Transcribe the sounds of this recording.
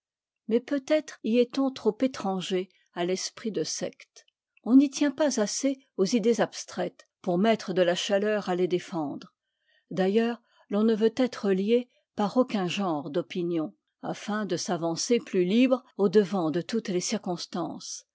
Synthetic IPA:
mɛpøt̪ɛt̪χiɛt̪ɔ̃t̪χopet̪χɑ̃ʒe | alɛspχid̪əsɛ̰kt̪ | ɔ̃nit̪jɛ̃pazase | ozid̪ezabst̪χɛt̪ | puʁmɛt̪χəd̪əlaʃalœʁaled̪efɑ̃d̪ʁ | d̪ajœːʁ | lɔ̃nəvøt̪ɛt̪χəlje | paʁokʲɛ̃ʒɑ̃ːʁd̪ɔpinjɔ̃ | a̰fɛ̃d̪əsavɑ̃seplylibʁod̪əvɑ̃d̪ət̪ut̪lesiʁkɔ̃st̪ɑ̰̃s

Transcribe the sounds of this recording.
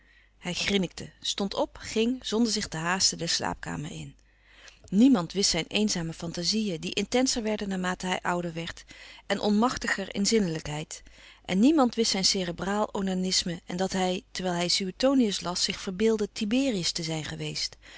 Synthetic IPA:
hɛjχrɪnɪk̚tʰəstɔntɔpχɪŋz̥ɔndəɹzɪχtəɦaːstədɛɹsla̰ːp̚ka̰ːmə̰ɹɪ̰n | nimɑntʋɪstsɛjnʔejnzaːməfɑntazijədiʔɪntɛnsəɹʋɛɹdənaːɹmaːtəɦɛ̰jʔʌwdəɹʋɛɹtʔɛnʔɔ̰nmɑχtəχəɹɪ̰nzɪnələkɦɛjtʔɛ̰nːimɑntʋɪstsɛjnseːrəbraːlˠownanɪsməɛ̰ndɑtɦɛjtəɹʋɛjlˠɦɛjsyətowniəslɑsɪχfəɹbɪːlˠdətibɪːriəstəzɛjnχəʋejst

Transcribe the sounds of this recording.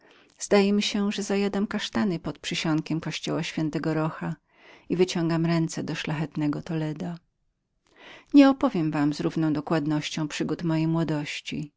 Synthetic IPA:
z̥d̪ajɛmʲiɕɛʐɛzajad̪amkaʂt̪anɘpɔt̪̚pʂɘɕɔŋkʲɛmkɔɕt͡ɕɔwaɕfʲjɛnt̪ɛɡɔɾɔxa | ivɘt͡ɕɔŋɡamɾɛnt̪sɛd̪ɔʂlaxɛt̪nɛɡɔt̪ɔlɛd̪a | ɲɛɔpɔvʲjɛmvamzɾuvnɔ̃w̃d̪ɔkwad̪nɔɕt͡ɕɔ̃w̃pʂɘɡut̪mɔjejmwɔd̪ɔɕt͡ɕḭ

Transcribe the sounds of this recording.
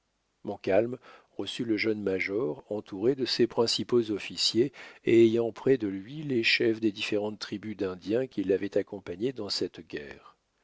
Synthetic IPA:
mɔ̃kalm | ʁəsyləʒœnmaʒɔʁɑ̃t̪ʰuʁed̪əsepχɛ̃sipozɔfisjeeːjɑ̃pχɛd̪əlɥileʃɛfd̪ed̪ifeʁɑ̃t̪ːχibyd̪ɛ̃d̪jɛ̃kʲilːavɛt̪akɔ̃paɲed̪ɑ̃sɛt̪ɡʲɛ̰ːʁ

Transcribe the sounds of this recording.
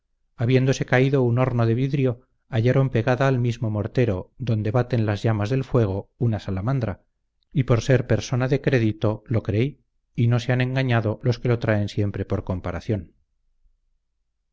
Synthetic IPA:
aβje̞nd̪o̞se̞kaiðo̞uno̞ɾno̞ðe̞β̞iðɾjo̞ | aʝaɾo̞mpe̞ɣaðaːlmizmo̞mo̞ɾt̪e̞ɾo̞ðo̞nd̪e̞βat̪e̞nlazʝamazðe̞lfwe̞ɣ̞o̞unasalamand̪ɾa | ipo̞ɾse̞ɾpe̞ɾso̞naðe̞kɾe̞ðit̪o̞lo̞kɾei | ino̞se̞anẽ̞ŋɡaɲaðo̞lo̞ske̞lo̞t̪ɾae̞nsje̞mpɾe̞po̞ɾko̞mpaɾaθjon

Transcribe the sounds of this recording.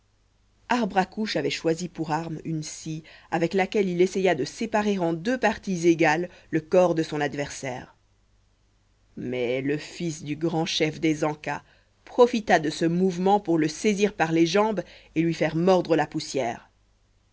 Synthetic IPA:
aʁbʁakuʃavɛʃwazipuʁaʁmynsiavɛklakʲɛlilesɛjad̪əsepaʁeʁɑ̃d̪øpaʁt̪izeɡalːəkɔʁd̪əsɔ̃nad̪vɛʁsɛ̰ːʁ | mɛləfisd̪yɡʁɑ̃ʃɛfd̪ezɑ̃ka | pχɔfit̪ad̪əsəmuvmɑ̃puʁləseziʁpaʁleʒɑ̃belɥifɛʁmɔʁd̪ʁəlapusjɛ̰ːʁ

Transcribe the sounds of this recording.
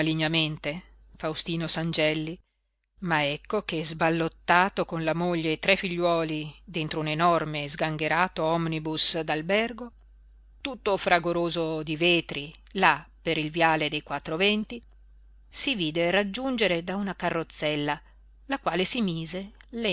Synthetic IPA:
aliɲːament̪e | fawst̪iːnosand͡ʒɛlːi | maɛkːokezbalːot̪ːaːt̪okonlamoʎːet̪ɾɛfiʎːwɔːlid̪ent̪ɾounenɔrmeːzɡaŋɡeɾaːt̪oɔmnibusd̪albɛrɡo | t̪ut̪ːofɾaɡoɾoːzod̪iveːt̪ɾilapːeɾilvjaːled̪ejkwat̪ːɾovɛnt̪i | siviːd̪erad͡ʒːund͡ʒeɾed̪aunakarːot̪sːɛlːa | lakwaːlesimiːzelɛ

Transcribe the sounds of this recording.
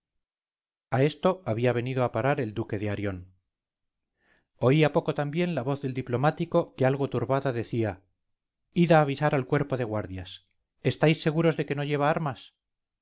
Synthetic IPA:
ae̞st̪o̞aβiaβ̞e̞niðoapaɾaɾe̞ld̪uke̞ðeaɾjo̞n | o̞iapo̞ko̞t̪ambje̞nlaβo̞θðe̞ld̪iplo̞mat̪iko̞kealɣo̞t̪uɾβaðaðe̞θia | iðaːβ̞isaɾalkwe̞ɾpo̞ðe̞ɣwaɾðjas | e̞st̪ajsːe̞ɣuɾo̞zðe̞ke̞no̞ʝe̞β̞aaɾmas

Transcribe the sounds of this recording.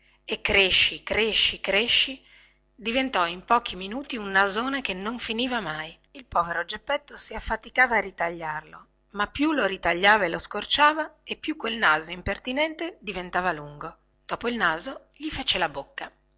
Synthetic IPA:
ekːɾeʃːikɾeʃːikɾeʃːi | d̪ivent̪ɔimpɔːk̟ʰiminuːt̪iunːazoːnekenoɱfiniːvamaj | ilpɔːveɾod͡ʒepːɛt̪ːosiafːat̪ikaːvaːrit̪aʎːarlo | mapːjuloɾit̪aʎːaːvaeloskort͡ʃaːvaepːjukːwelnaːzoimpert̪inɛnt̪ed̪ivent̪aːvaluŋɡo | d̪̥ɔːpoilnaːzo | ʎifet͡ʃelabokːa

